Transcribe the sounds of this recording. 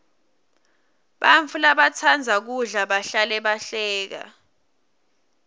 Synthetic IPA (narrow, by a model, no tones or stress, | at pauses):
ɓaɱfʰulaɓat͡sʰand͡zʱak̬uɮaɓaɬalɛɓaɬɛːk̬a̰